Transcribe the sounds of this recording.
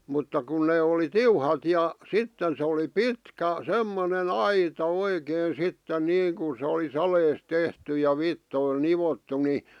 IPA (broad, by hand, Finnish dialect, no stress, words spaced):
mutːɑ kun neː oli tiuhɑt jɑ sitːen se oli pitkæ semːonen ɑitɑ oikeːn̞ sitːen niːŋkun̞ sĕ oli sɑleːs tehty jɑ ʋitːoil niʋotːu ni